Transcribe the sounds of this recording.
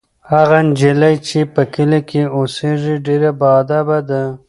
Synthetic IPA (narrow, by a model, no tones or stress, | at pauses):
haɣand͡ʒelajt͡ʃepəkəlekʰeoseʐiɖeɾabɑd̪abad̪a